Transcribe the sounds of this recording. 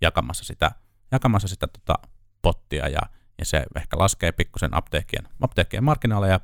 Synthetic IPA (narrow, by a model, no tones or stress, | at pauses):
jɑkɑmɑsːɑ̥sit̪æ̰ | jɑkɑmɑsːɑsit̪æt̪o̥t̪ɑ̰ | pot̪ːiɑ̰jɑ̰ | jɑsḛehkælʔɑskeːpikːusenɑ̰pt̪eːkːiḛnʔɑpt̪eːkːiemɑrkːinɑlːejɑ